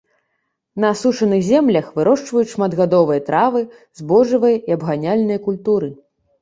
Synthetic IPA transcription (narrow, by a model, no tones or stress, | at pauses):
nɐːsut͡ʂɐnɨxzʲɛmlʲɐxvɨɾɔʂt͡ʂvɐjut͡sʲʂmad̪ɣad̪ɔvɨjɐt̪ɾavɨ | zbɔʐɨvɐjɐiɐbɣanʲalʲnɐjɐkulʲt̪uɾɨ